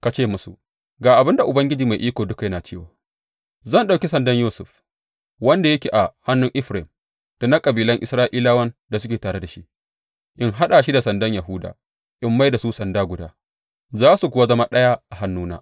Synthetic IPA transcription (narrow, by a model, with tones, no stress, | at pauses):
ka˨t͡ʃeː˦˨mʊ˦sṵ˨ | ɡaː˨ʔa˨bɪ˦nda˨ʔʊ˨bɐ˦ŋɡʲɪ˦d͡ʒiː˨ma˨jʔiː˦kʷoː˨dʊ˦ka˨jɐ˦naː˨t͡ʃeː˦wa̰ː˨ | zɐ˦˨nɗa˨wkʲi˦sɐ˨ndɐ˦ɲjuː˦sʊ̰˨ɸ | wɐ˦nda˨jɐ˦kʲeː˨ʔa˨ha˦nːʊ˦ŋʔɪ˦ɸɾe˨m | d̥a˨na˦kʼɐ˨biː˨lɐ˦ŋʔɪ̰˨sɾaː˦ʔiː˦laː˦wɐ˦nda˨s̬ʊ˦kʲeː˨taː˨ɽe˦da˨ʃi˦ | ʔɪ˦ŋɦa˦ɗaː˨ʃi˦da˨sɐ˨ndɐ˦ɲja˨ɦʊ˦da̰ː˨ | ʔɪ˦mːa˦jda˨su˦sɐ˨ndaː˦ɡʷʊ˨da̰ː˦ | zaː˦su˨kʷʊ˨wa˦zɐ˦ma˦ɗɐ˦ja˦ʔa˨ɦa˦nːuː˦na̰ː˦